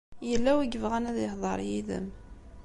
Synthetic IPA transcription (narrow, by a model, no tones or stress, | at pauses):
jəlːæwiɡəvʁænæðəhðˤə̰ɾˤjiðə̰m